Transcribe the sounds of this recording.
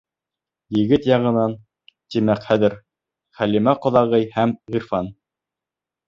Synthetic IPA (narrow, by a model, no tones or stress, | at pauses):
jɘ̆ɡɘt̪jɑʁɤ̆nɑn | t̪imækχæðɘ̆ɾ | χælimæqŏðɑʁɤjhæmʁiɾfɑn